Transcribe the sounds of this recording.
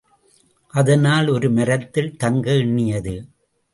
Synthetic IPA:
ʔɐðɐnaːlɔɾɯmɐɾɐt̪ːɪlt̪ɐŋɡɐɪɳːɪjɐðɯ

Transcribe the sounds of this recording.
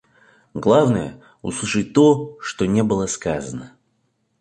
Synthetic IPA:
ɡlˠavnəjə̰ | ʊ̰slˠɨʂɨt̚ʲt̪oʂt̪onʲeɛbɨlˠəskazənə

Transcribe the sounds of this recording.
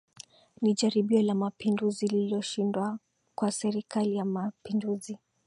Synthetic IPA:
niʄaɾiɓiɔlamapinduzililɔʃindwa | kwasɛɾikalijamapinduzi

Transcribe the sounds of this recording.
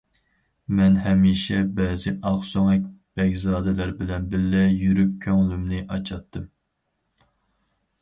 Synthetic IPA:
mɛnɦɛmiːʃɛbɛːzɪʔɑχsoŋɛk̚ʲb̥ɛkʲzɑːd̪ɪlæɾbɪlɛnbɪlːɛjyɾyp̚kʲʰøŋlymnɪʔɑt͡ʃʰɑt̪ʰːɨm

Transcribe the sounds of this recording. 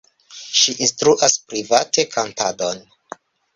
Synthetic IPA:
ʃiʔinstɾuʔaspɾivate̞kʰantadon

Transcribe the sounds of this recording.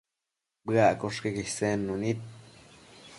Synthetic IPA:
bɡakoʂkeɡisenːunit̪̚

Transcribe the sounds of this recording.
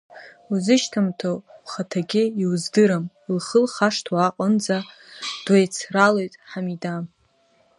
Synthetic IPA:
uzɨʃtʰamtʰoχatʰaɡʲɪiwzdɨɾam | lχəlχaʂtʰwaqʼənd͡za | d̥wajt͡sʰralojtʼħamidam

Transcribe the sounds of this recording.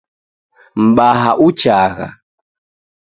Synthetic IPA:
m̩ɓaɦaʔut͡ʃaɣa̰

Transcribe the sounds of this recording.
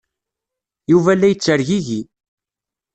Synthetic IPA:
juvælːæjət͡sːəɾʝiʝi

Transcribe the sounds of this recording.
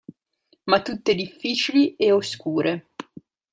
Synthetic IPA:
mat̪ːut̪ːed̪ifːiːt͡ʃilieoskuːɾʔe

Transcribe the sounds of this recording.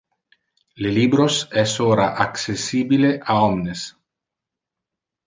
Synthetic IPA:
lelibɾosɛsoːɾaʔakt͡ʃesiːbileʔaɔmnes

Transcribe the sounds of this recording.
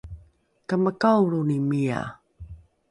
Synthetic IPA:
kəməkawɾunimia̰

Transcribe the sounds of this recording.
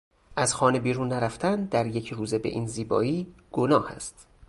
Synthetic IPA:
ʔæzxɒːne̞biːɾuːnːæɾæft̪ænd̪æɾjecʰɾuːze̞be̞̰ʔiːnziːbɒ̰ːiːɡ̥o̞nɒːhæ̰st̪

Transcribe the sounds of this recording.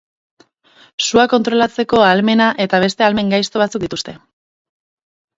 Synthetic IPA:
suako̞nt̪ɾo̞lat͡se̞ko̞alme̞naʔe̞t̪aβ̞e̞st̪e̞alme̞ŋɡajst̪o̞β̞at͡sukd̪it̪ust̪e̞

